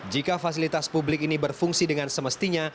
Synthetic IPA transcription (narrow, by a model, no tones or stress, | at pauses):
d͡ʒikafasilit̪aspublɪkinibərfuŋsidəŋansəməst̪iɲa